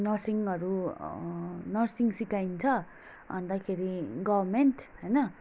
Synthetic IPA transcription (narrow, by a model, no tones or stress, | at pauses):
nʌrsiŋʌɾu | nʌrsiŋsikaint͡sʰʌ | ʌnd̪akʰeɾiɡʌbrmenʈɦʌjnʌ